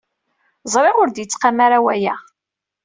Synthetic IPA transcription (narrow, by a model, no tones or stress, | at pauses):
zˤɾˤeʊɾd̪jət͡sːqamaɾawæjæ